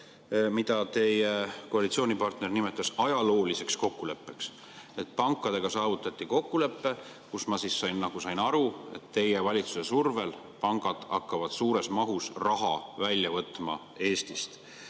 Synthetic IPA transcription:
mid̪̥ɑt̪e̞jeko̞ɑlit̪sioːnʲipɑrt̪ne̞rnime̞t̪ːˑɑsɑjɑlo̞ːlise̞ksko̞kːule̞pːe̞ks | e̞t̪̚ˑpɑŋkːˑɑd̪̥e̞ɡ̥ɑsɑːvut̪ːˑɑt̪ʲˑːiko̞kːule̞pːe̞ | kusmɑsissɑjnːɑɡ̥usɑjnɑɾue̞̰t̪ːe̞jevɑlʲit̪suse̞surve̞l | pɑŋɡ̥ɑd̪̥ɑkːɑvɑd̪̥suːɾe̞smɑɦusrɑɦɑvælʲːjɑvɤt̪ːˑmɑ̰ | e̞ːst̪ist̪

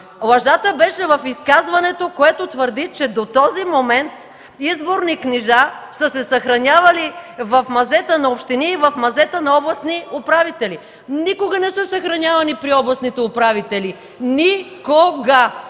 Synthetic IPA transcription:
lˠɐʒat̪əbɛʃɛvɐfiskazvɐnɛt̪okoɛt̪ot̪vəɾd̪it͡ʃɛd̪ot̪ɔzimomɛnt̪ | izboɾnikniʒasəsɛsɐxɾɐnʲavɐlivɐfmɐzɛt̪ənɐopʃt̪iniːvɐfmɐzɛt̪ənɐɔblˠɐsniʊpɾavit̪ɛli | nikoɡɐnɛsəsɐxɾɐnʲjavɐnipɾiɔblˠɐsnit̪ɛʊpɾavit̪ɛli | nikoɡa

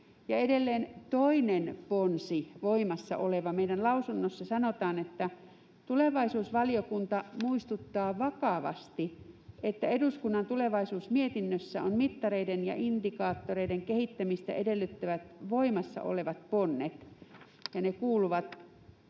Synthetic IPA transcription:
jɑedelːeːnt̪oinenponsiʋoimɑsːɑ̰ʔoleʋɑmeidænlɑusunːosːɑsɑnot̪ɑːnet̪ːæ | t̪uleʋɑisuːsʋɑliokunt̪ɑmuist̪ut̪ːɑːʋɑkɑʋɑ̰st̪iʔet̪ːæeduskunːɑnt̪uleʋɑisuːsmiet̪inːøsːæ̰onmit̪ːɑreidenjɑ̰ʔind̥ikɑːt̪ːoreideŋkehit̪ːæmist̪æ̰ʔedelːyt̪ːæʋæt̪ʋoimɑsːɑ̰ʔo̰leʋɑt̪ponːet̪ | jɑnekuːluʋɑt̪

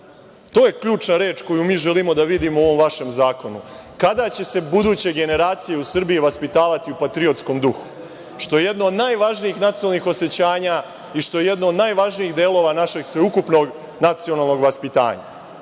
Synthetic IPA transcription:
t̪o̞ːje̞kʎuːt͡ʃnaɾe̞ːt͡ʃko̞jumiːʒe̞limo̞d̪aʋid̪imooʋo̞mʋaʃe̞mzaːko̞nukad̪at͡ɕe̞se̞bud̪uːt͡ɕe̞ɡe̞ne̞ɾaːt̪sije̞usr̩biiʋaspit̪aːʋat̪iupat̪ɾio̞t̪sko̞md̪uxu̥ | ʃt̪o̞jeje̞d̪noːd̪naːjʋaʒniixnat̪iolnixo̞se̞t͡ɕaːɲa | iʃt̪o̞je̞je̞d̪noːd̪naːjʋaʒniiɣd̪eːlˠo̞ːʋanaʃe̞ɡsʋe̞ukupno̞ɡ | nat̪sionaːlˠno̞ɡʋaspit̪a̰ːɲa̰

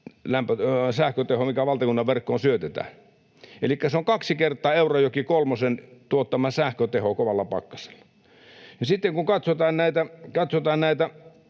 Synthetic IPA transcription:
læmpøsæhkøt̪ehomikæʋɑlt̪ɑkunːɑʋʋerkːoːnsyøt̪et̪æ̰ːn | elikːæseoŋkɑksikert̪ˑɑːeˑurojokikolmosent̪uot̪ːɑmɑsæhkøt̪ehokoʋɑlːɑpɑ̰kːɑ̥se̥lːɑ̥ | jɑsit̪ːeŋkuŋkɑt̪sot̪ɑːnnæˑit̪ækɑt̪sot̪ɑːnnæˑit̪æ

